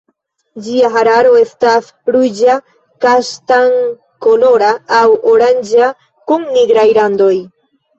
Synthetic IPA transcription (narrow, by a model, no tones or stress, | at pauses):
d͡ʒiaɦaɾaɾo̞e̞stas | ɾujd͡ʒa | kaʃtaŋ | kolo̞ɾaːwoɾand͡ʒa | kuŋniɡɾajlando̞j